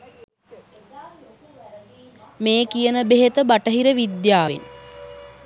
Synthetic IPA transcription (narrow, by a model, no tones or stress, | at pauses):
meːkijənəbeɦet̪əbaʈəɦiɾəʋid̪jaːʋḛn